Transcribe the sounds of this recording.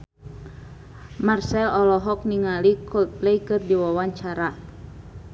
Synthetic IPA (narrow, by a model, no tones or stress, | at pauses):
marsɛlɔlɔɦɔk̚niŋalikʰɔplɛjkɨrdiwawaɲt͡ʃaɾa